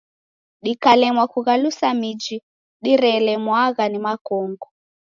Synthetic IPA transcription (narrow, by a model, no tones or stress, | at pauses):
ɗikalɛmwakuɣalusamid͡ʒi | ɗiɾɛlɛmwaɣanimakɔːŋɡɔ